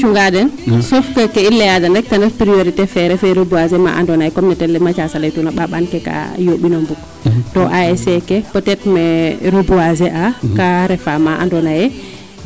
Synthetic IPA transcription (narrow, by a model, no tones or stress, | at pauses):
t͡ʃuŋɡadɛnsɔfkəkɛilːɛjadandɛk̚tandɛɾpɾioɾitɛfɛɾɛfɛɾobuazɛma̰ʔa̰ndɔnajɛkɔmnɛtɛlːɛmat͡ʃasalajtunaɓaɓankɛka̰joɓinombuk | tɔʔaɛsɛkɛpɔtɛtmɛɾobuazɛʔakaɾɛfamaʔa̰ndɔnajɛ